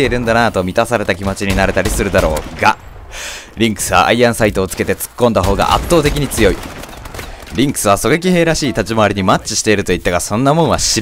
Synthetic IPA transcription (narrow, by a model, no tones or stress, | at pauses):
eiɾɯ̟̃nd̪anat̪o̞mʲit̪asaɾe̞t̪akʲimo̞t͡ɕiɲ̟inaɾe̞t̪aɾʲisɨɾɯ̟d̪aɾo̞̰ːɡa | ɾʲĩŋkɯ̥sɨβa̰ʔa̰iãɰ̃sait̪o̞ːt͡sɨ̥ke̞t̪e̞t͡sɨ̥kːond̪aɦo̞ːɡa̰ʔa̰t̪ːo̞ːt̪e̞kʲiɲ̟it͡sɨjo̞ḭ | ɾʲĩŋkɯ̟̥sɨβaso̞ɡekʲihe̞ːɾaɕiːt̪at͡ɕimaaɾʲiɲ̟imat͡ɕt͡ɕi̥ɕi̥t̪e̞iɾɯ̟t̪oit̪ːaɡasõ̞nːamõ̞ɰ̃βaɕi